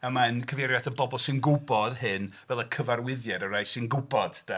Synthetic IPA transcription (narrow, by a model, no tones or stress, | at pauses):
əmaɛnkʰəvɛɾjadənbɔbɔlˠsɨnɡʊbɔd̥hɨnvɛlˠəkʰəvarwɪðjɛdəɾajsɨnɡʊbɔd̥d̥a